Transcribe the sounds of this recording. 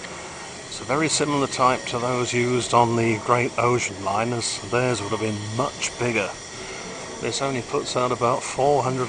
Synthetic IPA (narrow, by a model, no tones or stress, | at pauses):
ɪtsəvɛɹisɪ̃ml̩ˠə˞tʰaɪp̚tʰəðoʊzjʉzdn̩ðiɡɹeɪɾoʊʒə̃n̩lãɪ̃nəz̥ðəzwʊɾəvbɨ̃nmʌt͡ʃb̥ɪɡə | ðɪsõʊ̃nlipʰʊtsaʊɾəbaʊtfɔɹɦʌ̃ndɹəd